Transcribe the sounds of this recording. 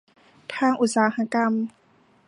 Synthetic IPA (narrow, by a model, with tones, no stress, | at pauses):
t̪ʰaː˧˩˨ŋʔu˧˩t̪̚saː˨˦ha˧˥ka˧m